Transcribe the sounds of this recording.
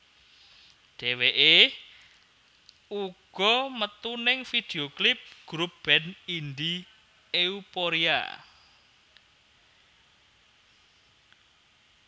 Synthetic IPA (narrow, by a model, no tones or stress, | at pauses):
ɖ̥eweʔe | uɡ̥ɔmət̪unɪŋfid̪̥eoklɪp̚ɡ̥ɾup̚b̥ɛnind̪i | eupoɾia̰